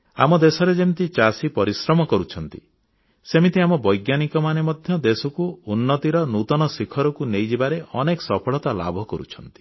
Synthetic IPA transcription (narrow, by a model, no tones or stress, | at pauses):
a̰mɔd̪esɔɾed͡ʒemit̪it͡ʃasipɔɾisɾɔmɔkɔɾut͡ʃʰɔnt̪ḭ | semit̪iamɔbɔjɡjanikɔmanemɔd̪ʱjɔd̪esɔkuunːɔt̪iɾɔnut̪ɔnɔsikʰɔɾɔkunejd͡ʒibaɾeʔɔnekɔ̥sɔpʰɔɭɔt̪ala̰bʱɔkɔɾṵt͡ʃʰɔnt̪i̥